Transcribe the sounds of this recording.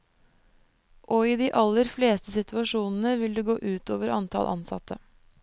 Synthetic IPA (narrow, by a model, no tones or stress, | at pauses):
ʔoːiːd̪iːʔɑlːəɾfleːst̪əsɪt̪ʉɑʂuːnn̩əʋɪld̪eːɡoːʔʉːt̪o̰ːʋəɾɑnt̪ʰɑ̰lʔɑ̰nsɑ̰t̪ʰːə